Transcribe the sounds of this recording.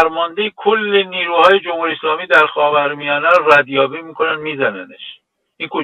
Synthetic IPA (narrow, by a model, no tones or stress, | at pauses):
ɾmɒːnd̪e̞jekʰolːeniːɾuːhɒːje̞d͡ʒomhuɾieslɒːmiːd̪æɾxɒːvæɾmijɒːneɾɾæd̪jɒːbiːmiːkʰo̞nænmiːzænæneʃ | ʔinkʰo